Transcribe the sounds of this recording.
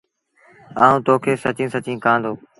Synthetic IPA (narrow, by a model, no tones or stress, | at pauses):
a̰ːũːt̪oːkʰeːsət͡ʃĩːsət͡ʃĩːkãːnd̪oː